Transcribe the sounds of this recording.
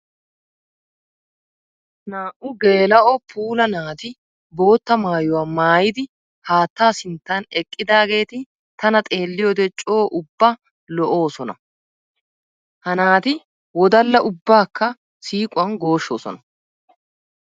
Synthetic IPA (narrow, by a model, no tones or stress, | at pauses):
naːʔʊɡe̞ːlɐʔɔpʰuːlɐnaːt̪ɪ | bo̞ːt̪ːɐmaːjʊwaːmaːjɪd̪ɪ | haːt̪ːaːsɪnt̪ːanɛkʼːɪd̪aːɡe̞ːt̪ɪ | t̪ɐnɐt̪ʼe̞ːlːɪjod̪ɛt͡ʃʼoːʔʊbːɐ | lɔʔo̞ːsɔnɐ | hɐnaːt̪ɪ | wɔd̪ɐlːɐʔʊbːaːkʰːɐ | siːkʼʊwɐnɡo̞ːʃːo̞̰ːsɔ̰nɐ